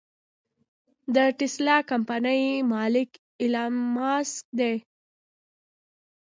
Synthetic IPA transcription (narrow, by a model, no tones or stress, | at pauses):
d̪əʈɪslɑkampanəjmɑlɪk | ɪlɑmɑsd̪e